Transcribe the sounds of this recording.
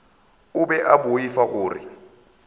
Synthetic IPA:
ʊbɛʔabʊifaɣʊːrɪ̰

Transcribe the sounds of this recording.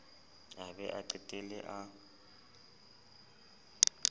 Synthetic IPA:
abɛ̰ʔaǃitʼelɛ̰ʔa

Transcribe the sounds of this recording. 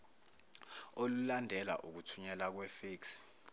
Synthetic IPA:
olulandʱɛla̰ʔuk̬utʰuɲɛlak̬wɛfeːks

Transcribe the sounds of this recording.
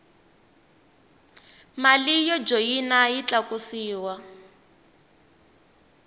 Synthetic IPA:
malijɔd͡ʒojinajit͡ɬakusiːwa

